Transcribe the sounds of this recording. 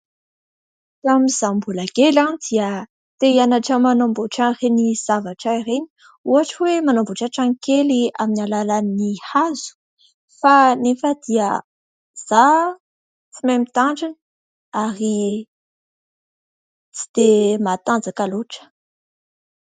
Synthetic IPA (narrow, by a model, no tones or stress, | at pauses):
t̪amizambulaɡelanid̪̥iə | t̪eianaʈ͡ʂəmanambuʈ͡ʂareniz̥avaʈ͡ʂaiɾeni̥ | uaʈ͡ʂiwemanambuʈ͡ʂaʈ͡ʂaŋkeliaminalalanːihazu̥ | fanefəd̪̥iə | z̥a | t͡simemit̪aɳɖ͡ʐini̥ | aɾi | t͡si̥d̪̥emat̪and͡zakaloʈ͡ʂə̥